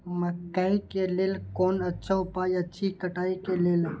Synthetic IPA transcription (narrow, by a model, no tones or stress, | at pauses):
mɐkːaikeleːlkɔːnɐtːʃʰaʊpaːiɐtːʃʰikəʈaːikeleːl